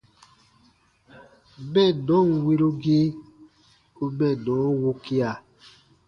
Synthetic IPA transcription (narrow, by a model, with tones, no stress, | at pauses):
mɛ˦˨nɔ̃˦˨n˨we˦ɾo˦ɡe˦ | o˦mɛ̃˦˨nɔ̃˨˦wo˦ki˦a˨